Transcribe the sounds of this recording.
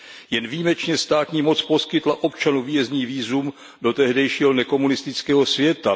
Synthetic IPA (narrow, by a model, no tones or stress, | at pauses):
jɛnviːmɛt͡ʃɲɛst̪aːt̪ɲiːmot͡spo̞skɪt̪laʔo̞pt͡ʃanuviːjɛzɲiːviːzum | do̞t̪ɛɦdɛjʃiːɦonɛko̞munɪst̪ɪt͡skɛːɦo̞svjɛt̪a